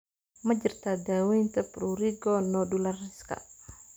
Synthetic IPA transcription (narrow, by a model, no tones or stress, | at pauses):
məd͡ʒərt̪adawint̪əpɾuɾiɡɔnɔdulariska̰